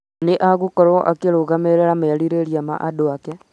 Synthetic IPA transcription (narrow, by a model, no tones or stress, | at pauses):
neʔaɣokɔɾwɔʔakeɾoɣameɾeɾameaɾiɾeɾijama̰ʔadoakɛ